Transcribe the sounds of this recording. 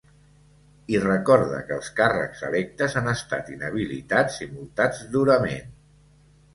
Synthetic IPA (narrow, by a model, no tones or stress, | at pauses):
irəkɔɾðə̰kəːlˠskarə̰kz̥ə̰lɛk̚t̪əzanəst̪a̰t̪inəβ̞ilḭt̪ad͡zimulˠt̪ad͡zd̪uɾəmḛn